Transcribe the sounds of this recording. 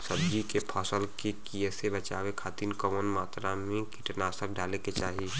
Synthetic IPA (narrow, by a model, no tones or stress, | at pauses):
səbd͡ʒikepʰɔːsəlkekijəsebət͡ʃa̰ːʋekʰaːt̪iːnkɔmənmaːt̪ɾamẽkiʈnasək̚ɖaːleket͡ʃaːɦi